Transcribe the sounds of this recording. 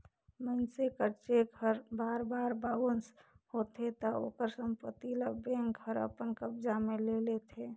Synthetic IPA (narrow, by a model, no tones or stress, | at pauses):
mənsekəɾt͡ʃeɡʱəɾbaɾbaɾbaʋəns | hot̪ʰet̪əo̰kəɾsəmpət̪iləbeŋɡʱəɾə̰pənkəbd͡ʒamelelet̪ʰe